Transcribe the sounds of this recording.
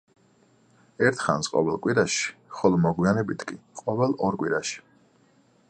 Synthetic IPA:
ɛɾt̪ʰχa̰nsqʼɔ̰vɛlˠkʼwiɾaʃi̥χɔlˠɔmɔɡwianɛbit̪ʰkʼiqʼɔvɛlˠɔɾkʼwiɾaʃi̥

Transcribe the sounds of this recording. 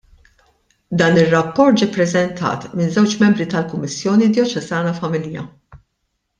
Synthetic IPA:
d̪ɐːnɪrːɐpːɔɾt̪̚d͡ʒipːɾɛzɛnt̪ʰɐ̰ːt̪mɪnzɛwt͡ʃmɛmbɾit̪ɐlkʊmːɪsːjɔːnid̪jɔt͡ʃɛzɐːnɐfɐmɪljɐ̰

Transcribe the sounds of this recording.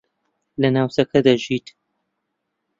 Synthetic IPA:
lɐnaːwsɐkɐd̪aʒit̪

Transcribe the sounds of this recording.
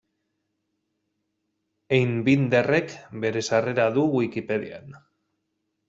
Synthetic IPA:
ejnbind̪ere̞kbe̞ɾe̞sare̞ɾaðuwikipe̞ðia̰n

